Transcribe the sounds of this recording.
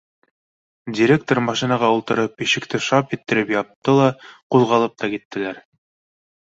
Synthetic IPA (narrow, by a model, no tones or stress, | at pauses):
dʲiɾʲek̚t̪oɾmɑʃinɑʁɑulˠt̪ɤ̆ɾɤpiʃɘ̆kt̪ɘʃɑpɘ̆t̪ːɘ̆ɾɘpjɑp̚t̪ɤlˠɑquðˠʁɑlˠɤp̚t̪ʰɑkit̪ːɘ̆læɾ